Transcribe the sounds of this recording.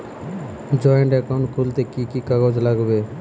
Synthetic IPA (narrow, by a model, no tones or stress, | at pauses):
d͡ʒɔjəɳʈɛkaʊɳʈ̚kʰult̪ekikikaɡod͡ʒlaɡbe